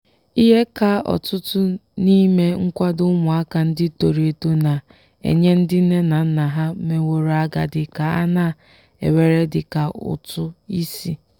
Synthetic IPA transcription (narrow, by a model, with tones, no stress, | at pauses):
i˦ɦe˦ka˦˨ɔ̰˨tʊ˦tʊ˦ni˦me˦ŋ̩˦kʷa˦dʊ˦mʊ˨a˦ka˨n̩˦dɪ˦to˨ɾe˨to˦na˨ | ḛ˨ɲe˦n̩˦dɪ˦ne˦na˨n̩˦na˨ɦa˦me˨wo˨ɾo˨a˦ɡa̰˨dɪ˨ka˨a̰˦na˦˨ | ḛ˨we˨ɾe˦dɪ˨ka˨ʊ̰˨tʊ˦i˦si˦